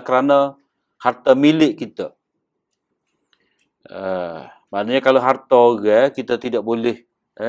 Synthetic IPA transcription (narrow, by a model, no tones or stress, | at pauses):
kəɾanə | hart̪əmilɪʔkit̪ə | ə | maʔnaɲakaloɦart̪aoɡɛkit̪at̪idaʔ̚bolɪh